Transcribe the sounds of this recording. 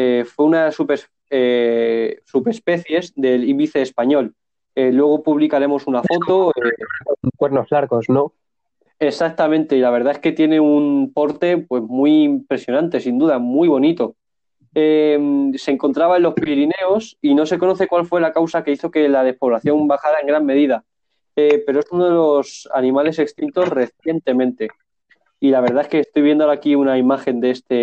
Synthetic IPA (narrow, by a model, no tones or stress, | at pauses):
efweunasupe | e | supespe̞θje̞zd̪e̞liβiθeːspaɲo̞l | elːwe̞ɣ̞o̞puβ̞likaɾe̞mo̞sunafo̞t̪o̞ekwe̞ɾno̞vlaɾɣosno | e̞sak̚t̪amẽnt̪e̞ilaβ̞e̞ɾðae̞ske̞t̪je̞ne̞unpo̞ɾt̪e̞pwe̞zmiːmpɾe̞sjo̞nãnt̪e̞sind̪uðamwiβ̞onit̪o̞ | emseŋko̞nt̪ɾaβae̞nlo̞spiɾine̞o̞sino̞seko̞no̞θe̞kwalfwe̞lakawsakeiθoke̞laðe̞hpo̞βlaθjo̞mbaxaɾae̞ŋɡɾamme̞ðiða | epe̞ɾoe̞sunoðelo̞sa̰nĩmale̞se̞kst̪int̪o̞sre̞θje̞nt̪e̞mẽnt̪e̞ | ilaβ̞e̞ɾðae̞skeːst̪o̞jβje̞nd̪oaɾakiunaimaxe̞nd̪ee̞st̪e̞